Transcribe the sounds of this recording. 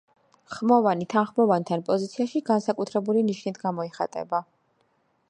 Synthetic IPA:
χmɔvanit̪ʰanχmɔvant̪ʰanpʼɔzit̪sʰiaʃiɡansakʼut̪ʰɾɛbuliniʃnit̪ʰɡamɔiχa̰t̪ʼɛ̰ba

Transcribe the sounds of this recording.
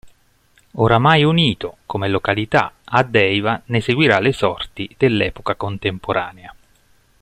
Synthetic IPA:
oɾamajuniːt̪okomelokalit̪a̰ad̪ːɛjvaneseɡwiɾalesɔrt̪id̪̥elːɛːpokakont̪empoɾʔaːnea

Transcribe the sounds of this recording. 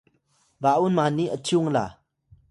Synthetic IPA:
vaʔunmaniʔət͡suŋla̰

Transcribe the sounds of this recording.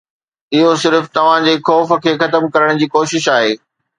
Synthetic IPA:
ɪɦosɪɾft̪ɐʋ̤ãd͡ʑeːxɔːfə̆kʰeːxɐt̪əmkɐɾəɽ̃d͡ʑiːkoːʃɪʃaːɦeː

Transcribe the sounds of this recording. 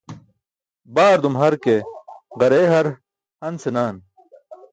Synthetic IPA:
baːɾd̪umɦɐɾkeɡɐɾeːɦɐɾ | hɐnsenaːn

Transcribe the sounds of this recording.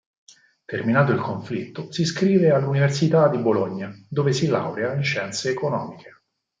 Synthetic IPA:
t̪erminaːt̪oilkoɱflit̪ːosiskɾiːvealːuniversit̪ad̪iboloɲːad̪oːvesila̰wɾeainʃɛnt̪seːkonɔ̰ːmikʰe̥

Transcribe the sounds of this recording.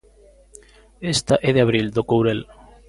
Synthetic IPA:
est̪aʔɛðeaβ̞ɾild̪okowɾel

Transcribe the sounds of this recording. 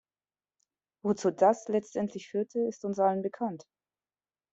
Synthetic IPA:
vot͡suːdaslɛt͡stʔɛntʰlɪçfyːɐtʰəɪstʊnsʔalənbəkʰant

